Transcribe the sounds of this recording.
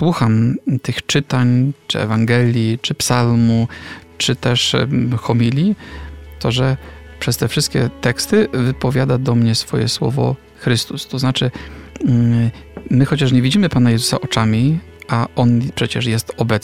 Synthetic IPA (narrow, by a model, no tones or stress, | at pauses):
swuxamt̪ɘxt͡ʂɘt̪aɲt͡ʂɘ̰ɛ̰vaŋɡɛlʲjit͡ʂɘpsalmut͡ʂɘt̪ɛʂxɔmʲilʲjit̪ɔʐɛpʂɛst̪ɛfʂɘst̪̚kʲɛ̰t̪ɛkst̪ɘvɘpɔvʲjad̪ad̪ɔmɲɛsfɔ̰jɛ̰swɔ̰vɔ̰ | xɾɘst̪ust̪ɔznat͡ʂɘ | mɘxɔt͡ɕaʂɲɛvʲid͡ʑimɘpanajɛzu̥sa̰ʔɔt͡ʂamʲi | aɔnpʂɛt͡ɕɛʂjɛst̪ɔbɛ